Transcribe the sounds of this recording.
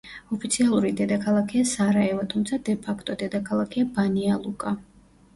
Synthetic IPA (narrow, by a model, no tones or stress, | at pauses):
ɔpʰit̪sʰialˠuɾid̪ɛd̪akʰalˠakʰɛasaɾaɛvat̪ʰumt̪sʰad̪ɛpʰakʰt̪ʼɔd̪ɛd̪akʰalˠakʰɛabanialˠukʼa